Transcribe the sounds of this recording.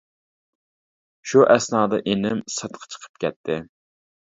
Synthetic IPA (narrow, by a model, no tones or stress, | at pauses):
ʃuʔɛsnɑːd̪ɑʔenɪmsɑt̪qʰɑ̥t͡ʃʰə̥qʰə̥p̚kʲʰɛt̪ʰːɪ